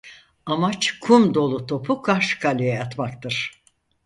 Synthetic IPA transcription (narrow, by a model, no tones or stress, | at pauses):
amat͡ʃkʰumd̪o̞lˠut̪ʰo̞pʰukʰaɾʃkʰalʲijɛat̪makt̪ɯɾ̥